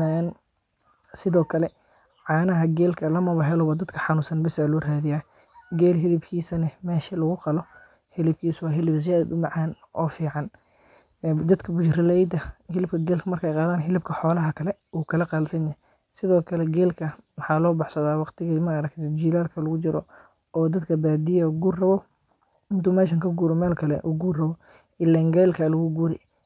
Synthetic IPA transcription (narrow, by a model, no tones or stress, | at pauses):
an | sɪðɔːkʰɐlɛ | ʕɑːnɐɦɐɡɛːlkʰɐlɐmɐβɐɦɛlɔwɐd̪ɐd̪kʰɐħɑnʊsɐnbɪsaːlɔːraːðɪjaː | ɡɛːlɦɪlɪbkʰiːsɐnɐmɛːʃɐlɐɣʊqɑlɔ | hɪlɪb̚kʰiːswɑːɦɪlɪbs̬ɪjaːðɐd̪ʊmɑʕaːn | ʔɔːfiːʕɑnː | d̪ɐd̪kʰɐbʊt͡ʃrɪlɛjd̪ɐhɪlɪb̚kʰɐɡɛːlkʰɐmɐrkʰɛjqɑːðaːnɦɪlɪbkʰɐħɔːlɐɦɐkʰɐlɛuːkʰɐlɐqɑlsɐnjɐ | sɪðɔːkʰɐlɛɡɛːlkʰɐwɑħɑːlɔːbɑħsɐðaːwɑqt̪ʰɪɣɐmɐɾɐkt̪ɔd͡ʒiːlaːlkʰɐlɐɣʊt͡ʃɪɾʔɔ̰ | ɔːd̪ɐd̪kʰɐbaːd̪ijɐuɡuːrrɐβɔ | ɪnt̪uːmɛːʃ̬ɐŋkʰɐɡuːɾɔmɛːlkʰɐlɛ̰ʔuːɡuːrrɐβɔ | ɪlːɛːŋɡɛːlkʰɐlɐɣʊɡuːɾɛj